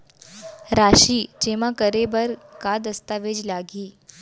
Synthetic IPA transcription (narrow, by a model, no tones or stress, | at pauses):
ɾaɕiːd͡ʑeʋ̤akəɾebəɾkad̪əst̪aʋed͡ʑlaɡiː